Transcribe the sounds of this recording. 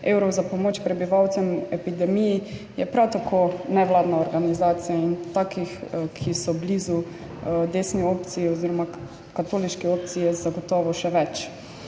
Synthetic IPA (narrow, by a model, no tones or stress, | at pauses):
ewɾɔwzapɔmoːt͡ʃpɾɛbiʋawt̪sɛmɛpid̪ɛmiji | jɛpɾawt̪akʰonɛʋlaːd̪naɔɾɡanizaːt̪sijaint̪aːkixkʰisɔblizu | d̪eːsniopt̪siiɔziɾɔma | kat̪oːliʃkɛoːp̚t̪sijɛzaɡɔt̪ɔːʋɔʃɛʋɛt͡ʃ